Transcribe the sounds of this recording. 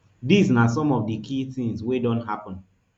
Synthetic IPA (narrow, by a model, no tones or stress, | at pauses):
disnas̬ɔ̃mɔvdikʰiθĩŋswedɔ̃ntɦapɔ̃n